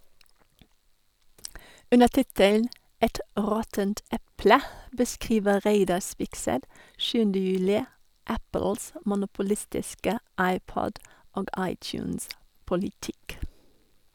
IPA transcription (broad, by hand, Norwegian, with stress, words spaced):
ˈʔʉnə ˈtɪtəln̩ ˈʔɛt ˈʁɔtənt ˈɛplə bəˈskʁiːʋə ˈʁeɪdɑ ˈspɪksɛt ˈʃʉːəndə ˈjʉːlɪ ˈʔæpl̩s ə mʊnʊpʊˈlɪstɪskə ˈɑɪˌpɔd ˈoːɡ ˈʔɑɪcˌjʉːns pɔlɪˈtɪk